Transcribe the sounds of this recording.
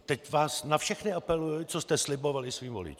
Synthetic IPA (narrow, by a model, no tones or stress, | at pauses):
t̪ɛcvaːsnafʃɛxnɪapɛlujɪt͡sost̪ɛslɪbo̞valɪsviːmvo̰lɪ̰t͡ʃː